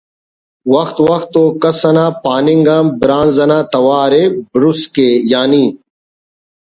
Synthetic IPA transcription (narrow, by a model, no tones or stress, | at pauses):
wɐxt̪wɐxt̪oːkɐsɐnaːpaːniŋɡãːbɾãːnzɐnaːt̪ɐwaːɾebɾuskeːjaːniː